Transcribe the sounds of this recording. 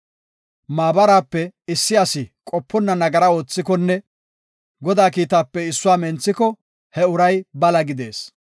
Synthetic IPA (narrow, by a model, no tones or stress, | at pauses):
maːbɐɾaːpːɛɪsːɪɐsɪkʼɔpːɔnːɐnɐɡɐɾɐo̞ːt͡sːɪkɔnːɛ | ɡɔd̪aːkiːt̪aːpːɛɪsːʊaːmɛnt͡sːɪkɔ | hɛʊɾɐjbɐlɐɡɪd̪ḛːs